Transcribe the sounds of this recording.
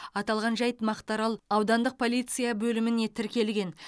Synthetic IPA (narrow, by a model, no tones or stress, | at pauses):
ɑt̪ɑlˠʁɑnʒɑjt̪mɑqt̪ɑɾɑlˠɑwd̪ɑnd̪əq̚pʰo̞lʲijt̪sɨjabɵlɪmɪnet̪ʰɪɾkʲe̞lɡʲe̞n